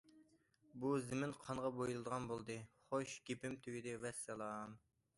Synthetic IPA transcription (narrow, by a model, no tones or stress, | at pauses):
buzɪmɪnqʰɑnʁɑbojulˠɨd̪əʁɑnbolˠd̪ɨχoʃɡ̥ʲepɪmt̪ʰyɡʲid̪ɪwɛsːɛlˠɑːm